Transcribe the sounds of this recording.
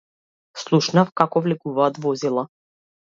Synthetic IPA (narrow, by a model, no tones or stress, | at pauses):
slˠuʃnafkakɔvlɛkuvaːt̪vɔzilˠa